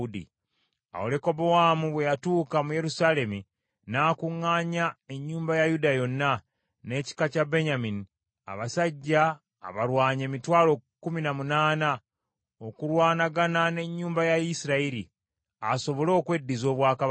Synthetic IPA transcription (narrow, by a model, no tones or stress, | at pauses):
udḭ | a̰ole̞ko̞bowamuβwe̞jatuːkamuje̞ɾusale̞mi | naːkuŋːaɲae̞ɲːuːmbajajudajo̞nːa | ne̞ci̥kacabe̞ɲamini | a̰βasaɟːa̰ː | βaɾwaːɲe̞mitwaːlo̞kːuminamunaːna | o̞kuɾwaːnaɡanane̞ɲːuːmbajaisiɾaiɾi | aso̞βo̞lo̞ːkwe̞dːizo̞ːβwaːka